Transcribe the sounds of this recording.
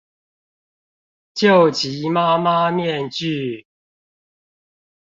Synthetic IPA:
t͡ɕjo˥˨ʊt͡ɕi˨˦ma˦ma˦mjɛ˥˨nt͡ɕy˥˨

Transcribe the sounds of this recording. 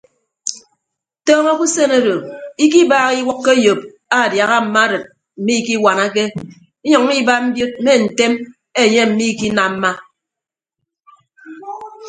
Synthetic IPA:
tɔː˦ŋo˦ku˦se˦no˦do˨i˦k̬i˦baː˨ɣi˦wɔ˦kːe˦jo˨p̚ | a˦˨dja˨ɣa˦m̩˨ma˦ɾɨ˨t̚ | m̩˨mi˦ki˦wa˨na˦k̬e˦ | i˦ɲɔ˨ŋ˦i˦ba˦m̩˦bjo˦t̚me˦n̩˨te˦m | e˦˨ɲe˦m̩˨mi˦ki˦na˨m̩˦ma˦

